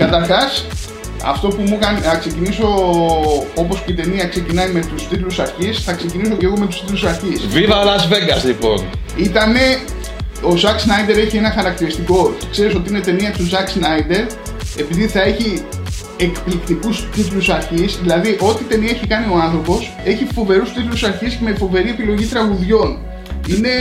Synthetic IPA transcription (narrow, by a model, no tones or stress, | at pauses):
kɐt̪ɐɾxɐs | ɐ̰ft̪o̞pumukɐniɐkse̞ciniso̞ | o̞po̞sceit̪e̞niɐkse̞cinɐjme̞t̪ust̪it̪lusɐɾçisθɐkse̞cinis̬o̞ceɣo̞me̞t̪ust̪it̪lusɐɾçisvivɐolɐzveɡɐslipo̞̰n | it̪ɐne̞ | o̞zɐksnɐjd̪e̞ɾe̞çie̞nɐxɐɾɐkt̪iɾist̪iko̞̥kse̞ɾiso̞t̪iinet̪e̞niɐt̪uzɐksnɐid̪e̞ɾ | e̞piðiθɐe̞çi | e̞kplikt̪ikust̪it̪lusɐɾçisðilɐðiʔo̞t̪it̪e̞niɐeçikɐnio̞ɐnθɾo̞po̞s | e̞çifo̞ve̞ɾust̪it̪lusɐɾçiscemefo̞ve̞ɾiepilo̞ʝit̪ɾɐɣuðʝo̞n | ine̞